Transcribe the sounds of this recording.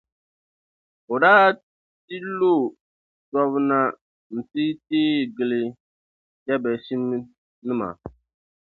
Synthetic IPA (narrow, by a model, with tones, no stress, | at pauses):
o˨daː˦ | ti˦lo˦˨ | sɔ˦βna˦ | n̩˨ti˦tiː˦˨ɡɪ˨lɪ˦ | d͡ʒɛ˦bɛ˨si˦n˦ | nɨ˦ma̰˨